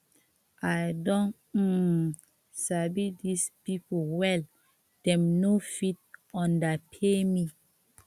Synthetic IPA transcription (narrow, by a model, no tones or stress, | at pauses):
ʔajdɔ̃n̩ | sabidispipolwɛl | d̥ɛ̃mnofit̚ɔ̃ndapʰemi